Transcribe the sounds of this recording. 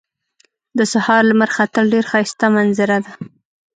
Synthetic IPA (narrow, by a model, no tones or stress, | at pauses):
d̪əsahɑɾlaməɾxat̪əlɖeɾxɑjst̪amanzɪɾad̪a